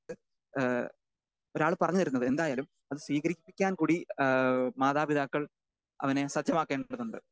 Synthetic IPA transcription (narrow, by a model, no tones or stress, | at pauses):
ɨ | o̞ɾaːɭpɐrɐɲːuðɐɾunːɐðɨend̪aːjaːlum | ɐðɨswiːɣɐɾikʲːpːikʲːaːnkuːɽi | maːðaːbiðaːkːɐɭ | ɐ̰ʋɐnesɐt̪ːjɐmaːkːeːɳɖɽɐðːuɳɖɨ